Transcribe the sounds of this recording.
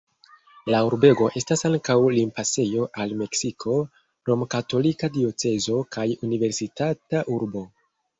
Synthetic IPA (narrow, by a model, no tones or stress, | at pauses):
lauɾbe̞ɡo̞ʔe̞stasaŋkawlimpase̞jo̞ʔalme̞ksikʰo̞ | ɾo̞mkato̞likadio̞t͡se̞zo̞kajunive̞ɾsitataʔuɾbo